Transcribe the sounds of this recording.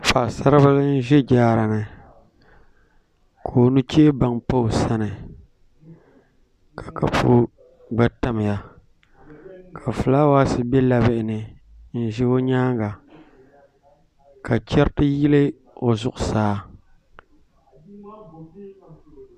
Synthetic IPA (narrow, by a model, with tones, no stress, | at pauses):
fa˨sa˦ɾɨ˦ba˦lɨ˦n̩˦ʒɛ˦d͡ʒaː˦ɾa˨nɨ˨ | kʰo˨nu˦t͡ʃe˦ba˨ŋpa˦ʊ˨sa˦nɨ˨ | kʰḁ˨kʰa˨pṵ˦ | ɡ͡ba˨ta˦m˨ja˨ | kʰa˨fɨ˨la˦waː˦sɨ˨bɛ˦la˦bɪ˨ʔɪ˨nɨ˨ | n̩˦ʒɛ˦o˦ɲaː˦ŋɡa˨ | ka˨t͡ʃɛ˦ɾtɨ˦ji˦lɨ˦ | o˨zʊ˦ʔʊ˨saː˦